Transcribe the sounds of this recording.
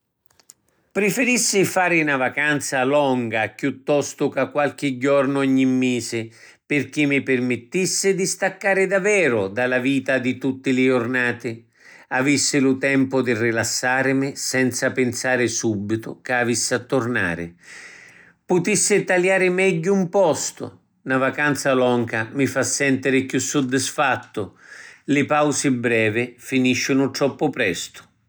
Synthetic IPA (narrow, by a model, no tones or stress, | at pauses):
pɾɪfɪɾisːɪfaːɾɪnavakant̪salɔŋɡakjut̪ːɔst̪ʊkakːwalk̟ɪd͡ʒːɔrnʊɔɲːimːeːsɪ | pɪrk̟ɪmːɪpɪrmɪt̪ːisːɪd̪ist̪akːaːɾɪd̪avːɛːɾʊd̪alaviːt̪ad̪it̪ut̪ːɪlɪʊrnaːt̪ɪ | avisːɪlʊt̪ɛmpʊd̪irilasːaːɾɪmɪsɛnt̪sapɪnsaːɾɪsubːit̪ʊ̰kavisːɪat̪ːʊrna̰ːɾɪ̰ | pʊt̪isːɪt̪aljaːɾɪmɛɟːʊumpɔst̪ʊ̰ | navakant̪salɔŋkamɪfasːɛnt̪ɪɾɪkjusːʊd̪ːɪsfat̪ːʊlɪpawsɪbɾɛːvɪfiniʃːɪnʊt̪ɾɔpːʊpɾɛst̪ʊ̥